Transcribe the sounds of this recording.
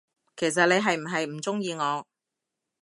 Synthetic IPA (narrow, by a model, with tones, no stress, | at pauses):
kʰe˨˩js̬ɐ˨t̚ne˨˧jɦɐ˨jm̩˨˩ɦɐ˨jm̩˨˩t͡sʊ˥ŋjiː˨˧ŋɔː˨˧